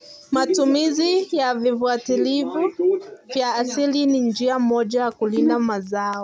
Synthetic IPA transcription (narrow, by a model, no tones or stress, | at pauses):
matumizijavifuatilivuvjaːsilinind͡ʒiam̩mɔʄajakulindamazaɔ